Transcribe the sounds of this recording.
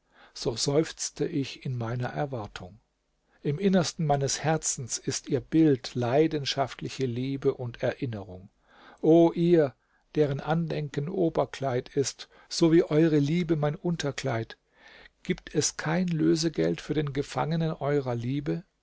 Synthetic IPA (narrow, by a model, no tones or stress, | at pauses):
z̥oːzɔʏft͡stʰəʔɪçɪnmaɪnɐʔɛɐvaɐtʰʊŋ | ʔɪmʔɪnɐstn̩maɪnəshɛɐt͡sn̩sɪstiːɐbɪltlaɪdənʃaftʰlɪçəliːbəʔʊntʰɛɐʔɪnəʁʊŋ | ʔoːʔiːɐ | d̥eːʁənʔandɛŋkənʔoːbɐkʰl̥aɪtʰɪst | z̥oːviːʔɔʏʁəliːbəmaɪnʔʊntʰɐklaɪt | ɡ̥iːp̚tʰɛskʰaɪnløːzəɡɛltfyːɐdeːnɡəfa̰ŋənənʔɔʏʁɐliːbə